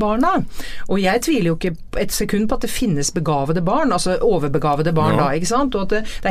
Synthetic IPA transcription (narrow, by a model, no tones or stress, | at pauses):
bɑːɳɑʔɔjæɪt̪ʰʋiːləɾjʊɪkːə | ɛt̪sɛkʰʉnːpʰɔɑt̪̚d̪ɛfɪnːəsbəɡɑːʋəd̪əbɑːɳɑlsɔʔoːʋəɾbəɡɑːʋəd̪əbɑːɳd̪ɑɪkːəsɑnt̪ɔɑt̪̚d̪ɛd̪̥ɛæ